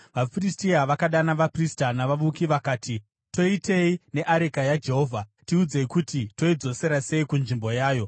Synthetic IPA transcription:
ʋafiristiaʋakaɗanaʋapristanaʋaʋukiʋakaːti | to̞ite̞ine̞ʔaɾekajad͡ʒe̞ɦo̞ːvʱatiud͡ze̞ikutito̞id͡zo̞se̞ɾase̞ikunʐimbo̞jaːjo̞

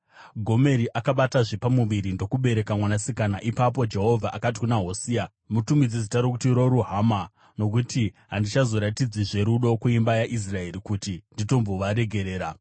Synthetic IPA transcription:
ɡʱo̞me̞ɾiʔakaɓataʐepamuʋiɾindo̞kuɓe̞ɾe̞kamwanasikanaʔipap̬o̞d͡ʒe̞ɦo̞vʱaʔakat̬i̥kunaɦo̞siːa | mutumid͡zizitaɾokutiɾo̞ɾuɦama | no̞kutiɦandit͡ʃazo̞ɾatid͡ziʐe̞ɾuɗo̞kuimbajaʔis̬rae̞ɾikutindito̞mbo̞ʋaɾe̞ɡʱe̞ɾe̞ːɾa

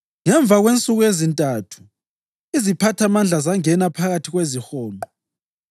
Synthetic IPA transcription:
ŋɛɱb̪vʱaɣwent͡sʼuɣuezintʼatʰu̥ | izipʰatʰamand͡ɮʱazaŋɛnapʰaɣatʰiɣwezixɔːmbʱɔ

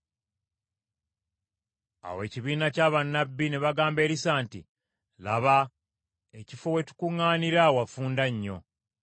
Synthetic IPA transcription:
a̰we̞ːciβiːnacaːβanːabːine̞βaɡaːmbe̞ːɾisaːntḭ | laβa | e̞cifo̞we̞tu̥kuŋːaːniɾawafuːndaɲːo̞̰

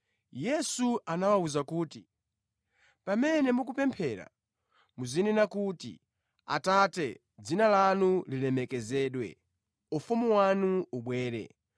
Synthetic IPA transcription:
jɛsuanawauzakuːti | pamɛnɛmuk̬upɛmpʰɛɾa̰ | muzininakutḭ | a̰tatɛ | d͡zinalanulilɛmɛkɛzɛːɗwɛ̰ | ufumuwanuuɓwɛːɾɛ̰

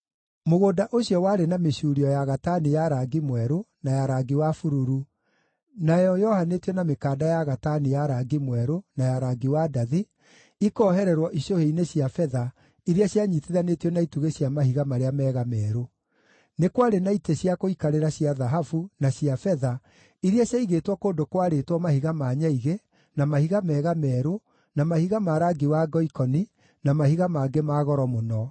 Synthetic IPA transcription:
moɣoːdaʔoɕjɔwaːɾenameɕuːɾiɔjaɣatanijaɾaɡimwɛɾonajaɾaɡiwafuɾuɾu | najɔjɔhanetjɔnamekaːdajaɣatanijaɾaɡimwɛɾonajaɾaɡiwadaði | ikɔːɦɛɾɛɾwɔʔiɕoheineɕiafɛða | iɾiaɕjaɲiteðanetiɔnaituɣeɕjamahiɣamaɾeamɛːɣamɛːɾo | nekwaɾenaiteɕjakoikaɾeɾaɕiaðaɦafunaɕiafɛða | iɾiaɕaiɣeːtwɔkoːndokwaɾetwɔmahiɣamaːɲaiɣe | namahiɣamɛːɣamɛːɾo | namahiɣamaɾaɡiwaɡɔikɔni | namahiɣamaːɡemaːɣɔɾɔmonɔ

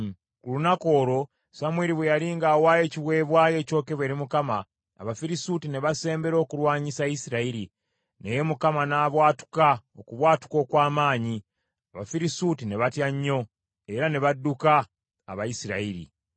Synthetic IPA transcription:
kulunako̞ːɾo̞ | samweɾiβwejaliːŋɡawaːje̞ciβwe̞ːβwaːje̞ːco̞ːke̞βwe̞ɾimukama̰ː | βafiɾisutine̞βase̞ːmbe̞ɾo̞ːkuɾwaːɲisajisiɾaiɾi | neje̞mukamanaːβwaːtu̥kaokuβwaːtu̥ko̞ːkwaːmaːɲi | aβafiɾisutine̞βatjaɲːo̞ | e̞ɾane̞βadːuka̰ː | βajisiɾa̰iɾḭ

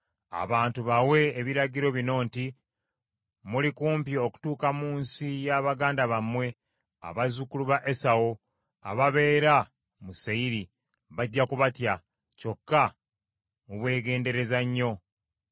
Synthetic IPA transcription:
a̰βaːntuβawe̞ːβiɾaɟiɾo̞βino̞ːnti | mulikuːmpio̞ku̥tuːkamuːnsijaβaɡaːndaβamwe̞ | a̰βazukuluβaʔe̞sawo | a̰βaβe̞ːɾa | musaiɾi | βaɟːakuβatja | co̞kːa | muβwe̞ːɡe̞ːnde̞ɾe̞zaɲːo̞

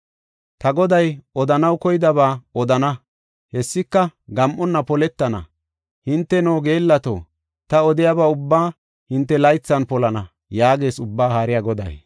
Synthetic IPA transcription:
t̪ɐɡɔd̪ɐjɔd̪ɐnɐwkɔjɪd̪ɐβaːɔd̪ɐnɐ | hɛsːɪkːɐɡɐmʔːɔnːɐpɔlɛt̪ːɐnɐ̰ | hɪnt̪ːɛnoːɡe̞ːlːɐt̪o̰ː | t̪ɐɔd̪ɪjabaːʊbːaː | hɪnt̪ːɛlɐjt͡sːɐnpɔlɐnɐ | jaːɡe̞ːsʊbːaːhaːɾɪjaɡɔd̪ɐ̰j

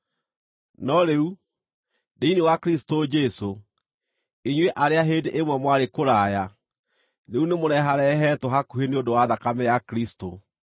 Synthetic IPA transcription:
nɔɾeu | deinewakɾistod͡ʒɛso | eɲweʔaɾeaɦeːdeʔemwɛmwaɾekoɾaːja | ɾeunemoɾɛɦaɾɛɦɛtɔɦakuheneondowaðakamɛjakɾisto

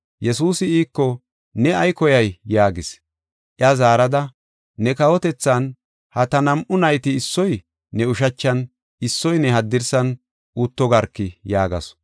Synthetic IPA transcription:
jɛsuːsɪiːkːɔ | nɛɐjkɔjɐjːaːɡɪs | ʔɪɐzaːɾɐd̪ɐː | ɛkɐwɔt̪ɛt͡sːan | hɐt̪ɐnɐmʔʊnɐjt̪ɪɪsːɔj | nɛʊʃ̬ɐt͡ʃːɐn | ɪsːɔjnɛɦɐd̪ːɪɾsɐn | ʔut̪ːɔɡɐɾkːɪjaːɡɐ̰s

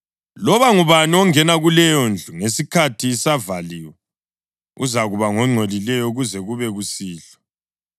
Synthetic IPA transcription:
lɔβaŋuβaniɔŋɛnaɣulɛjɔnd͡ɮʱuŋesikʰatʰisavaliːwɛ | ṵzaɣuβaŋɔŋ͡ǀʱolilɛjɔuɣuzɛɣuβɛɣusiːɬɔ̥

